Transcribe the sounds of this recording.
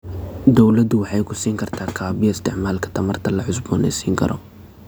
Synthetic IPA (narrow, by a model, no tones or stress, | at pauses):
d̪ɔwlɐd̪ʊwɑħɑjkʰʊsiːŋkʰɐrt̪ʰaːkʰaːbɪjɐɪst̪ʰɪʕmaːlkʰɐ̥t̪ʰɐmɐrt̪ʰɐlɐʕʊs̬bɔːnɛ̰jsiːŋkʰɐ̰ɾɔ